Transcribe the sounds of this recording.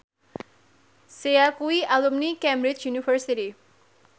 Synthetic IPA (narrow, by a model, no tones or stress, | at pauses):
seakuiʔalumnikɛmbɾit͡ʃjunifəɾsiɾi